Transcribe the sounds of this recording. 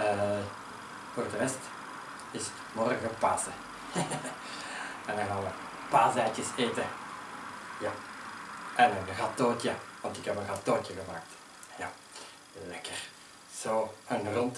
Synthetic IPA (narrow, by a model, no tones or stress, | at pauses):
ə | voːrdəʋɛst | ɪsə̥tmɔrɣəpaːsə | ɛndɑ̃nɣaːnʋə | paːzɛjtəseːtə | ja | ʔɛnənɣɑtoːtəʋɑntɪkɦɛpənɣɑtoːcəɣəmaːk̚t | ja | lɛkər | z̥oːənrɔnt